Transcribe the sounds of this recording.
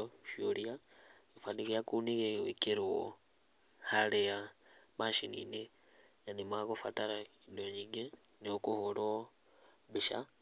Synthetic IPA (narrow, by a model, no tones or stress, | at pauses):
oʃoliaifaniɣijakuniɣewekiɾiwo̰ | halejamaʃinḭne | janimwaɣofa̰taɾaidoɲiɡe | neokuhulo | biʃa̰